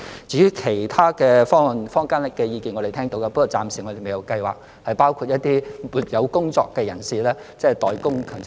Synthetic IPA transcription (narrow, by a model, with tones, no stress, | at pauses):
t͡siː˧˥jyː˥kʰe˨˩jt̪ʰaː˥kɛ˧fɔː˥˨nfɔː˥ŋkaː˥nlɪ˨kːɛ˧jiː˧kiː˨nɔ˨˧d̪e˨˩t̪ʰɛː˥ŋt̪o˧wa˧pɐ˥kɔ˨˩wt͡saː˨msiː˨˩ŋɔ˨˧de˨˩me˨jɐ˨˧wkɐ˧jwa̰ː˨˩k̚ | hɐ˨jpaː˥wkʰu˧t̚jɐ˥t̚t̪iː˥muː˨˩t̚jɐ˨˧wkʊ˥ŋt͡sɔ̰ː˧kːɛː˧jɐ˨˩nsiː˨lɛː˥t͡sɛ˥t̪ɔː˨˩jkʊ˥ŋkʰœː˨˩ŋ